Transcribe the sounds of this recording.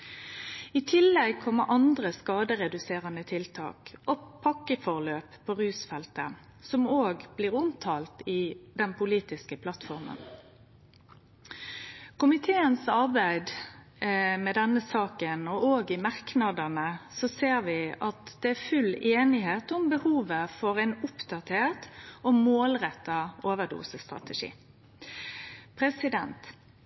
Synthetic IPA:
ɪt̪ʰɪlːɛɡ̚pʰɔmɛʔɑnd̪ʁəskɑːd̪əʁɛd̪ʉseːʁənət̪ʰɪlt̪ʰɑ̰ːkʔɔpʰɑkːəfɔʁløːppʰːɔːʁʉːsfɛlt̪ə̰ | sɔmoːɡb̥liːʁʊmt̪ʰɑːlt̪ɪd̪ɛnpʰʊliːt̪ɪskəpʰlɑt̪fɔʁmə̰n | kʰʊmɪt̪ʰeːənsɑʁbæɪd̪ | mɛd̪ɛnːəsɑːkənɔoːɡɪmɑʁknɑd̪ənəsɔseːɾʋɪʔɑt̪d̪̥ɛæfʉleːnɪɦeːt̪ʊmbəhuːʋəfɔɾæɪnʊpd̪ɑt̪ʰeːʁt̪ɔmoːlʁɛt̪ːɑoːʋəd̪ṵːsəst̪ʁɑ̰t̪əʂḭː | pʰɾɛsɪd̪ɛnt̪

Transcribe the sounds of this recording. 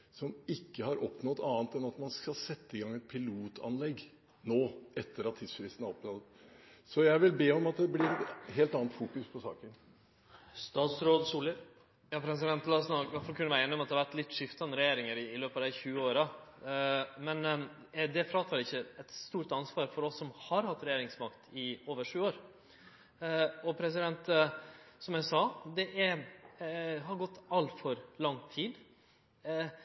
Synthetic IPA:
sɔmɪkːəhɑɾʔɔpnɔd̪ɑːnt̪ɛnɑt̪mɑnskɑlsɛt̪ːəɪɡɑŋːɛt̪̚pʰɪluːt̪ʰɑ̰nlɛɡ | noːɛt̪ːəɾɑt̪ʰːiːd̪sfɾɪst̪n̩ɑɾɔpnɔd̪ | sɔjæɪʋɪlbeːɔmɑt̪̚d̪ɛblɪɾɛt̪ɦeːlt̪ɑːnt̪fuːkʉspʰɔsɑ̰ːkən | st̪ɑːt̪sɾoːd̪suːləɾ | jɑːpʰɾɛs̬ɪd̪ɛnt̪lɑsnɑkʋæɾfɑlkʉnːəʋæɾeːnːɪɔmɑt̪d̪ɛhɑʋæʈ̪lɪt̪ːʂɪft̪ɑnɾɛjeːɾɪŋəɾɪɪløːpɑʋd̪æɪçʉːəoːɾɑ | mɛn | ɛd̪ɛfɾɑːt̪ʰɑːɾɪçːəɛt̪st̪uːɾʈ̪ɑnsʋɑːɾfɔɾɔsːɔmhɑɾhɑt̪ːɾɛjeːɾɪŋsmɑkt̪ʰɪoːʋəʂʉːoːɾ | ɔpʰɾɛs̬ɪd̪ɛnt̪ | sɔmjæɪsɑːd̪ɛʔɛ | ɦɑɾɡɔt̪ːɑlt̪fɔɾlɑŋt̪ʰiːd̪

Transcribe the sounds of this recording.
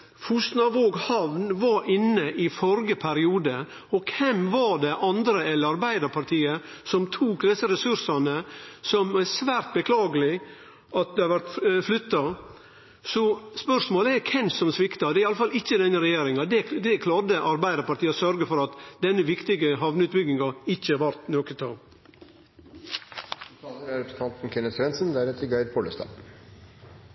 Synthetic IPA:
fusnɑʋoːɡhɑʋnʋɑɾʔɪnːəʔɪfɔɾɡəpʰæɾɪuːd̪ə | ɔkʰɛmʋɑɖɛʔɑnd̪ɾəɛlːəɾɑɾbæɪd̪ɑɾpʰɑɾʈ̪ʰiːəsɔmt̪ʰuːkd̪ɛsəɾɛsʉɾʂɑnəsɔmæsʋæːɾt̪̚bəkʰlɑːɡəlɪ | ʔɑt̪̚d̪ɛhɑʋæɾt̪flʏt̪ːɑ | sɔspœɾʂmoːləɛɾkʰɛnsɔmsʋɪkt̪ɑd̪ɛæɾɪɑləfɑlɪçːəd̪ɛnːəɾɛjeːɾɪŋɑd̪ɛd̪ɛkʰlɑːɾd̪əʔɑɾbæɪd̪əɾpɑɾʈt̪iːsœɾɡəfɔɾɑt̪d̪ɛnːəʋɪkt̪ɪɡəɦɑʋnəʉːt̪̚bʏɡnɪŋɑɪçːəɑʋæɾt̪noːkət̪ʰɑŋ | t̪ʰɑːləɾɾɛpɾsn̩t̪ʰɑnt̪n̩kʰɛnəsɾɛnsənd̪æɾɛt̪ʰɪɡæɪd̪̚pʰoːlə̰st̪ɑ̰ː

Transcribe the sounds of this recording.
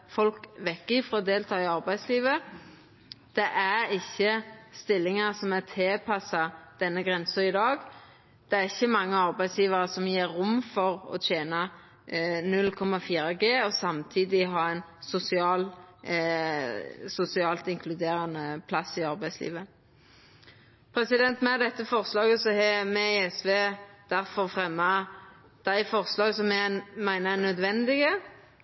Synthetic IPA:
fɔlkʋɛkːɪfʁɔːd̪eːlt̪ʰɑːɪɑɾbæɪd̪sliːʋə | d̪̥ɛʔæɾɪçːəst̪ɪlːɪŋɑsɔmæt̪ʰeːpʰɑsɑd̪̥ɛnːəɡʁɛnsəɪd̪ɑːɡ | d̪̥ɛæɾɪçːəmɑŋːəɑʁbæɪsjiːʋɑɾəsɔmjiːʊmːfɔʁɔ̰t̪ʰeːnɑ | nʉlːkʰɔmɑfiːɾəɡeːɔsɑmt̪ʰiːd̪ɪɦɑɾæɪnsʊsɪɑːl | sʊsɪɑːlt̪ɪŋkʰlʉd̪eːɾɑnəpʰlɑsɪɑʁbæɪslḭːʋə | pʰɾɛsɪd̪ɛnt̪mɛæd̪ɛt̪ːəfɔʁslɑːɡəsɔhɛmɛɪɛsʋeːd̪̥æʁfɔʁfʁɛmːɑ | d̪̥æɪfɔʁslɑːɡsɔmɛmæɪnəɛnœd̪ʋɛnd̪ɪɡə

